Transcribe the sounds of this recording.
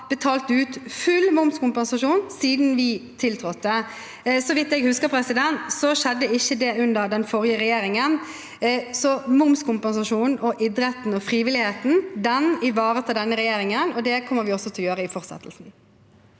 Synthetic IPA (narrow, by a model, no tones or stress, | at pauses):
b̥ət̪ʰɑːlt̪ʉːt̪fʉlmʊmskʊmpɛnsɑʂuːnsiːd̪n̩ʋɪt̪ʰɪlt̪ʰɾɔt̪ːə | sɔʋɪt̪ːɛɡhʉskəɾpʰɾɛsɪd̪ɛnt̪sɔʃɛd̪ːəɪçːəd̪ɛʉnd̪əɾd̪ɛnfɔɾɪəɾɛjeːɾɪŋən | sɔmʊmskʊmpɛnsɑʂuːnn̩ɔʔɪd̪ɾɛt̪n̩ɔfɾiːʋɪlɪheːt̪n̩d̪ɛnɪʋɑːɾət̪ʰɪld̪ɛnːəɾɛjeːɾɪŋənɔd̪ɛkʰɔmːəɾʋɪɔsːɔt̪ʰɪljøːɾəɪfɔɾsɛ̰t̪ʰːəlsn̩